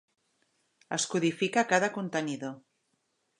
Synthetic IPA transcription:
əskuð̞ifikakaðəkunt̪əniðo

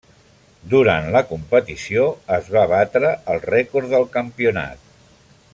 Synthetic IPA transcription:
d̪uɾa̰nt̪ləkumpət̪isioəzβaβat̪ɾəːlˠrɛkuɾðəlˠkəmpiuna̰t̪̚

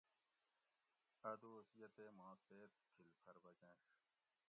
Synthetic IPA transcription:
ɐd̪oːsijɐt̪eːmãːseːt̪̚kʰilpʰɐɾbɐkẽːʂ

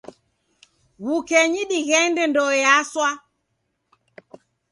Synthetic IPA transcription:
ɣukɛɲiɗiɣɛndɛndɔjaswa

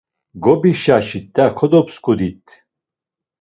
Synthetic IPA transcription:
ɡɔbiʃaʃit̪ːakʰɔd̪ɔpskʰʼud̪it̪ʰː

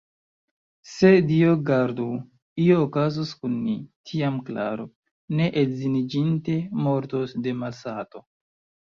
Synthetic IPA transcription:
se̞dioɡaɾdo | ioːkazoskunmitʰiamkla̰ɾo | ne̞ʔetzinid͡ʒinte̞mo̞ɾtosde̞malsato̞

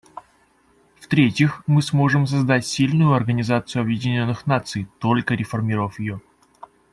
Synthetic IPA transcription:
ft̪ɾʲetʲɪxmɨsmo̞ʐɨms̬ɐzd̪atʲsʲilʲnʊjʊɐrɡənʲɪzat̪sɨjʊɐbjɪdʲɪnʲo̞nːɨxnat̪sɨjt̪o̞lʲkəɾʲɪfɐrmʲiɾəvəfjɪjo

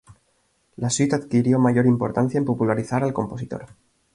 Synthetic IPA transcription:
laswit̪aðkiɾjo̞maʝo̞ɾimpo̞̰ɾt̪an̟θjaempo̞pulaɾiθaɾalko̞mpo̞sit̪o̞̰ɾ

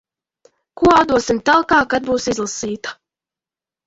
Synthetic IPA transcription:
kuɔawd̪uɔsimt̪alˠkaːkad̪̚buːsizlˠasiːt̪ḁ

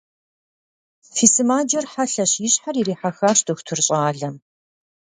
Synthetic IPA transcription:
fiːsɨmaːd͡ʒɐrħaɬɐɕjɪɕħariɾiːħaxaːɕdoxʷtʰʊrɕʼaːɮɐm

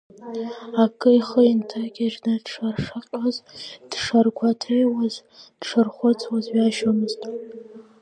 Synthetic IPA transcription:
akʼɨiχəintʰakʲʼaʒnadʈ͡ʂʰarʂaqʲʼazd̥ʂarkʷʰatʰejwazd̥ʈ͡ʂʰɨrχʷʊt͡sʰʼwazɥaʒamɨztʼ

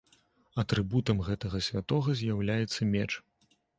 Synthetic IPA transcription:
ɐt̪ɾɨbut̪ɐmɣɛt̪ɐɣɐsʲvʲat̪ɔɣɐzʲjawlʲajɛt̪sːɐmʲɛt͡ʂ

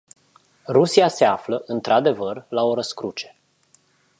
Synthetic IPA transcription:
rusiase̞afləʔɨnt̪ɾad̪e̞vərlao̞ɾəskɾut͡ʃe̞̥

